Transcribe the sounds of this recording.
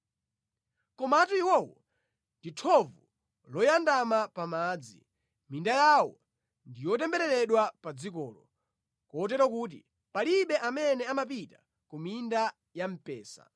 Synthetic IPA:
kɔmatuiwɔwɔ | nditʰɔvu | lɔjandamapamaːd͡zḭ | mindajawɔ | ndijɔtɛmbɛɾɛɾlɛɗwapad͡zik̬ɔ̰ːlɔ | kɔtɛɾwɔk̬uːt̬ḭ | paliɓɛʔamɛnɛamap̬ita | kuminda | jam̩pɛːsa̰

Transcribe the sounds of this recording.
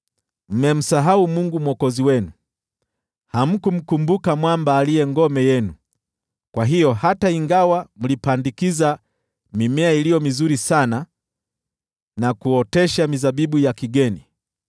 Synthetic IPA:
m̩mɛm̩saɦaumuŋɡumwɔkɔziwɛnu | ham̩kum̩kumbukamwambaːliɛŋɡɔmɛjɛnu | kwaɦijɔhataiŋɡawam̩lipandikiza | mimɛailijɔmizuɾisana | nakuɔtɛʃamizaɓiɓujakiɡɛni

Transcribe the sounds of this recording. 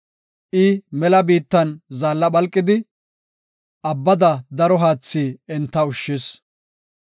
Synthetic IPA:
ʔɪmɛlɐbiːt̪ːɐnzaːlːɐbɐlkʼːɪd̪ɪ | ʔɐbːɐd̪ɐd̪ɐɾɔɦaːt͡sːiːɛnt̪ːɐʊʃːɪs

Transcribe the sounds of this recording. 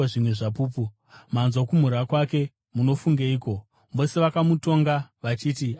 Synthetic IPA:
aʐimwe̞ʐapuːpu | manzwakum̤uɾakwake̞ | muno̞fuŋɡeiːko̞ | ʋo̞se̞ʋakamuto̞ŋɡaʋat͡ʃiːti

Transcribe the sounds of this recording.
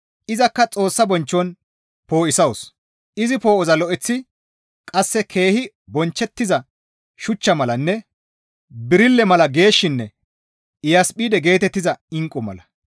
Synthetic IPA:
ʔɪzɐkːɐt͡sʼo̞ːsːɐbɔnt͡ʃːɔn | po̞ːʔɪsɐws | ʔɪzɪpo̞ːʔɔzɐlɔʔɛt͡sːɪ | kʼɐsːɛkʰe̞ːhɪ | bɔnt͡ʃːɛt̪ːɪzɐ | ʃʊt͡ʃːɐmɐlɐnːɛ | bɪɾɪlːɛmɐlɐɡe̞ːʃːɪnːɛ | ɪjaspʼiːd̪ɛɡe̞ːt̪ɛt̪ːɪzɐɪŋkʼːɔmɐ̰lɐ

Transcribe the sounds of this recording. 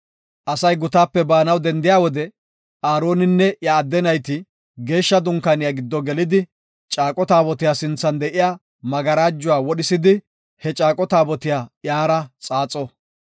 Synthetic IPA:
ʔɐsɐjɡʊt̪aːpːɛbaːnɐwd̪ɛnd̪ɪjaːwɔd̪ɛ | ʔaːɾo̞ːnɪnːɛjaːd̪ːɛnɐjt̪ɪ | ɡe̞ːʃːɐd̪ʊŋkaːnɪjaɡɪd̪ːɔɡɛlɪd̪ɪ | t͡ʃʼaːkʼɔt̪aːbɔt̪ɪjaːsɪnt͡sːɐnd̪ɛʔɪjaː | mɐɡɐɾaːd͡ʒːʊwaːwɔɗɪsɪd̪ɪ | hɛt͡ʃʼaːkʼɔt̪aːbɔt̪ɪjaːjaːɾɐt͡sʼaːt͡sʼɔ

